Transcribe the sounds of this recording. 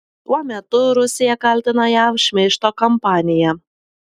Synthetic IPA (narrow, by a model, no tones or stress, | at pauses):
t̪uɔmʲɛt̪ʊɾʊsʲɪjɛkɐlʲt̪ʲɪnɐjæʋʃʲmʲɛɪʃt̪oːkɐmpɑːnʲɪjɛ